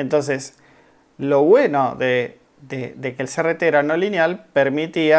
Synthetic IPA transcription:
ent̪o̞ns̬es | loβwe̞noðe | ðeðekeːlseret̪eɾanolinjalpeɾmit̪ia

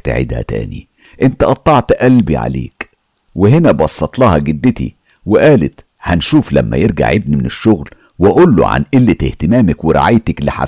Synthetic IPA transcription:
t̪ʕḛd̪hæ̰t̪æ̰ːni | ʔent̪æʔɑt̪ˤːɑʕt̪ʔælbḭʕa̰lḛːk | wɪɦenæbɑsˤːɑt̪ˤlɑːhɑɡɪd̪ːɪt̪ḭ | wɪʔæːlɪt̪ | hænʃuːflæmːæ̰jeɾɡa̰ʕʔebnimɪneʃːoɣl | wɪʔolːo̰ʕa̰nʔɪlːɪt̪eht̪emæːmækweɾˤɑ̰ʕajt̪ækliħa̰

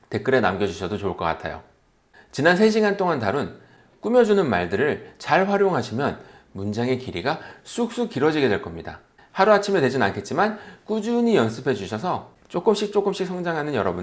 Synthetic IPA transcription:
te̞k͈ɯɾe̞namɡjʌd͡ʑuɕʰʌdot͡ɕoɭk͈ʌk͈a̰tʰa̰jo̰ | t͡ɕinansʰeɕ̬ʰiɡant͈oŋantaɾun | k͈umjʌd͡ʑunɯnmaɭdɯɾɯɭt͡ɕaɭɸwaɾjoŋɦaɕʰimjʌn | mund͡ʑaŋe̞kiɾiɡasʰuk̚s͈ukiɾʌd͡ʑiɡe̞dwe̞ɭk͈ʌmɲida̰ | haɾuat͡ɕʰimetwe̞d͡ʑina̰nkʰe̞t̚t͡ɕ͈imank͈ud͡ʑuɲijʌns͈ʰɯpʰe̞d͡ʑuɕʰʌsʰʌ | t͡ɕ͈ok͈ɯmɕ͈ʰik̚t͡ɕ͈ok͈ɯmɕ͈ik̚sʰʌŋd͡ʑaŋɦanɯnjʌ̰ɾʌbun

